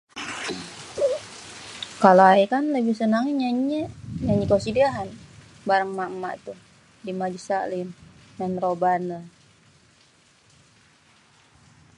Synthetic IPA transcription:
kalaaikanləbihsənaŋiɲaɲəɲaɲikosidiaɦan | baɾaŋmaʔmaʔḭt̪u | dimad͡ʒisa̰lim | nanrobanə

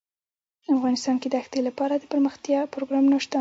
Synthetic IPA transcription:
afɣɑnɪst̪ɑnked̪əaxt̪elapɑɾad̪əpəɾməxt̪jɑpɾoɡɾɑmnaʂt̪a

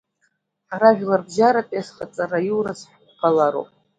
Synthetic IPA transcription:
araʒʷᶣlarbʒaɾapʼesχat͡sʼarajiwɾasħʷqʷqʰalaɾo̰pʼ

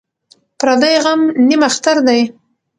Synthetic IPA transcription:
pɾɑd̪ajɣamnimaxt̪aɾd̪aj

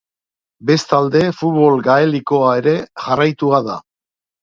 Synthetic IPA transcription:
be̞st̪ald̪e̞fut̪βo̞lɡae̞liko̞ae̞ɾe̞ʝarajt̪uaða̰

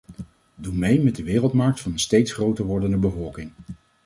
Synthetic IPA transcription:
dumejmɛdəʋɪːrəlˠtmɑɹk̚tfɑnənstejtsχrowtəʋɔɹdəndəbəvɔlˠkɪŋ

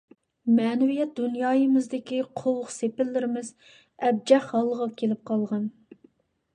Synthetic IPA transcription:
mɛːnɪwijɛt̪̚d̪unjɑːjəmɪzd̪ɪkʲiqʰowʊχsepɪlːɪɾɪmɪz | ɛb̚d͡ʒɛχhɑlˠːəʁɑkʲʰelɪp̚qʰɑlˠʁɑn

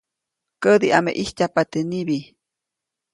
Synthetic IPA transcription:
kəd̪iʔamḛʔihcapat̪eniβi

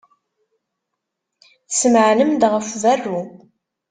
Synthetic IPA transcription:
θsəmʕnəmd̪ʁəfværːu

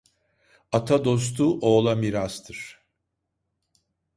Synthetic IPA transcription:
at̪ʰad̪o̞s̬t̪ʰuʔoːlˠamiɾast̪ʰɯɾ̥

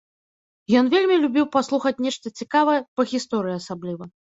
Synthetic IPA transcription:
jɔnvʲelʲmʲilʲubʲiwpaslˠuxɐt͡sʲnʲɛʂt̪ɐt͡sʲikavɐjɛpɐɣʲist̪ɔɾɨjiasablʲivɐ

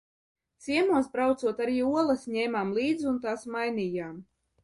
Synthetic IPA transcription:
t̪siɛmuɔsbɾawt̪suɔt̪aɾiːuɔlˠɐsɲɛːmaːmlˠiːd̪zunt̪aːsmajniːjaːm

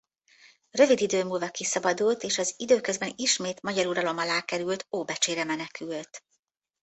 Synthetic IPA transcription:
rø̞vid̪id̪øːmuːlvɒkisɒbɒd̪ult̪eːʃɒzid̪øːkø̞zbɛniʃmeːt̪mɒɟɒɾuɾɒlo̞mɒlaːkɛɾylt̪oːbɛt͡ʃeːɾɛmɛnɛkylt̪

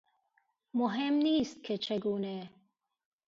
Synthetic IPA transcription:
mʊɦemniːst̪̚kʰet͡ʃʰeɡuːne

